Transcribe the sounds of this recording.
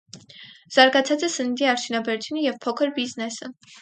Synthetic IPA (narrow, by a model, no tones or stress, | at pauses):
z̥ɑɾɡɑt͡sʰɑt͡sɛsənid̪iɑɾt͡ʃ̪ʰunɑbɛɾut͡s̪ʰjunəjɛvpʰɔkʰəɾbiznɛsə